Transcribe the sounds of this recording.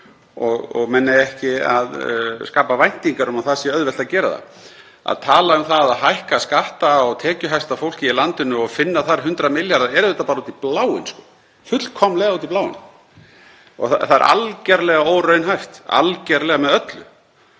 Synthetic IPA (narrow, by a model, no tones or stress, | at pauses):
ɔɣɔ̰ɣmɛnːaɛhcɪa̰ðskaːpavajn̥t̪iŋkaɾʏmaθasjɛœðvɛl̥t̪aðcɛːɾaða̰ | a̰ðt̪ʰaːlaʏmθaðaðɦajhkaskaht̪aɔɣt̪ʰɛːcʏɦajst̪afowl̥cɪilant̪ɪnːʏɔɣfɪnːaθaɾɦʏnt̪ɾamɪljaɾðaɛɾʏðɛht̪apaɾauːt̪iplaːwɪ̰nskɔ̥ | fʏt̪lkʰɔmlɛɣaðuːt̪iplaːwɪ̰n | ɔ̰ɣθa̰θað̰ɾʔa̰lcɛɾlɛɣaoːwɾœɥnɦajft̪a̰lcɛɾlɛɣamɛðœt̪lʏ